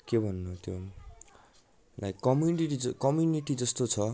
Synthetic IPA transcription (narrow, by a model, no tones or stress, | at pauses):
kebʱʌnːut̪jo | lajkːʌmjuniʈid͡zʌkʌmjuniʈid͡zʌst̪ot͡sʰʌ